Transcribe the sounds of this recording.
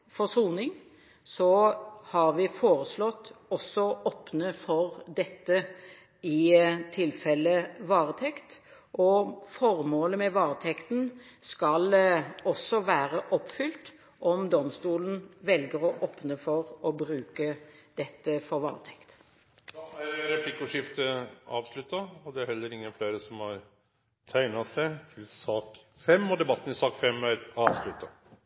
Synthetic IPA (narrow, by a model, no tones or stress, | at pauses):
fɔsuːnɪŋ | sɔhɑʁʋɪfoːʁəslɔt̪ːɔsɔʔɔpnəfɔɾd̪ɛt̪ːə | ɪt̪ʰɪlfɛlːəʋɑːʁət̪ʰɛkt̪ | ʔɔfɔʁmoːləmɛʋɑːɾət̪ʰɛkt̪n̩skɑlɔsːɔʋæːʁəʔɔpfʏlt̪ | ʔɔmd̪ɔmst̪uːln̩ʋɛlɡəʁɔʔɔːpnəfɔʁɔbʁʉːkəd̪̥ɛt̪ːəfɔɾʋɑ̰ːʁt̪ʰɛkt̪ | d̪ɑæɾɛpʰlikʊʂɪft̪əɑ̰ːʋslʉt̪ːɑɔd̪ɛæɾhɛlːəɾɪŋːənfleːɾəsɔmhɑɾ | t̪ʰæɪnɑsæɪt̪ʰɪlsɑːkfɛmːɔd̪ɛbɑt̪ːn̩ɪsɑːkfɛmːæɾɑːʋslʉt̪ːɑ